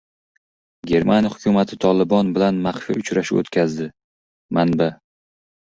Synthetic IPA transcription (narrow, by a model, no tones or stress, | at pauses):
ɡʲe̞ɾmanʲjhʊkʲʰʊmat̪ʰɪt̪ʰɒlɪbɒnbɪlanmaχfḭʊt͡ʃɾaʃɪo̰t̪kʲʰazd̪ɪ | manba